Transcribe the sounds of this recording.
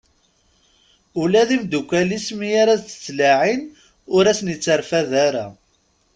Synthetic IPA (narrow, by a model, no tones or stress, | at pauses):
ʊlæðimd̪ukʷːælismijaɾat͡sːə̥t͡sːlaʕin | ʊɾæsənjət͡sːəɾfæðaɾa̰